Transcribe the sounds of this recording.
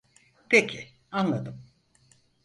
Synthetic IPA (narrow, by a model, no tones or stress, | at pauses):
pʰecʰi | anlˠad̪ɯm